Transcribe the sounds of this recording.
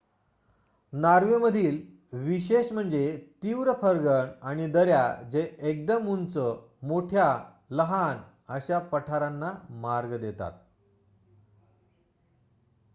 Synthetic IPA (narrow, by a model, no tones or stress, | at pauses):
naɾʋeməd̪ʱiːl | ʋiɕeɕm̤əɳd͡zet̪iʋɾəpʰəɾɡəɳaɽ̃id̪əɾjad͡zeek̚d̪əmːunt͡sə | moʈʰja | ləɦan | əɕapəʈʰaɾanːamaɾɡd̪et̪a̰t̪̚